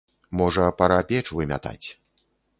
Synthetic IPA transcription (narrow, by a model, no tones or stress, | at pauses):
mɔʐɐpɐɾapʲɛt͡ʂvɨmʲa̰t̪a̰t͡sʲ